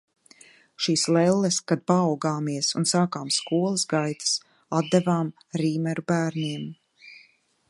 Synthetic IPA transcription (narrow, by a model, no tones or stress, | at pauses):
ʃiːslɛlˠːɛskad̪̚paːwɡaːmiɛsunsaːkaːmskuɔlˠaszɡajt̪ḁs | ad̪̚d̪ɛvaːm | ɾiːmɛɾubæːɾniɛm